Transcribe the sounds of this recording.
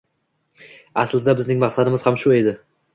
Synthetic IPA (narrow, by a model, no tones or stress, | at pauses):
aslɪd̪abɪznɪŋmɑχsad̪ɪmɪzhamʃʊe̞d̪ɪ